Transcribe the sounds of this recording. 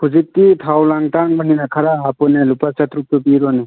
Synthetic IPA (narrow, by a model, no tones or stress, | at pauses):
kʰud͡ʒik̚titʰawlaŋtaŋbaninakʰaɾaɦapɔnelupasat̪ɾuk̚tɔbiɾɔne